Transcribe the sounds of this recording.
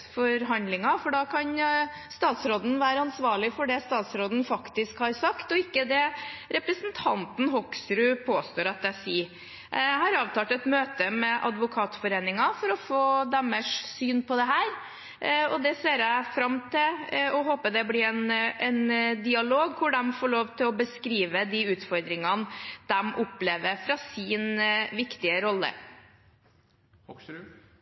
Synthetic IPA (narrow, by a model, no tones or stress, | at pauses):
fɔɾɦɑnd̪lɪŋɑfɔɖɑkʰɑn | st̪ɑːt̪sɾoːd̪n̩ʋæːɾəɑnsʋɑːɭɪfɔɖɛst̪ɑːt̪sɾoːd̪n̩fɑkt̪ɪskhɑɾsɑkt̪ɔɪkːəd̪ɛɾɛpɾəsnt̪ʰɑnt̪n̩ɦɔksɾʉpʰoːst̪oːɾɑt̪æsiː | æɦɑɾɑːʋt̪ʰɑːt̪ɛt̪møːt̪əmɛʔɑ̰d̪ʋʊkʰɑːt̪fɔɾeːnɪŋɑfɔɾɔfoːd̪æməʂsyːnpʰɔd̪ɛɦæːɾ | ɔd̪ɛseːɾæɪfɾɑmːt̪ʰɪlɔɦoːpəd̪ɛblɪɾɛnɛnd̪ɪɑloːɡkʰʊɖ̪ɛmfoːɭoːʋt̪ʰɪlɔbəskɾiːʋəd̪iʉːt̪fɔɾd̪ɾɪŋɑnd̪̥ɛmʔʊpːleːʋəɾfɾɑsɪnʋɪkt̪ɪəɾɔlːə̰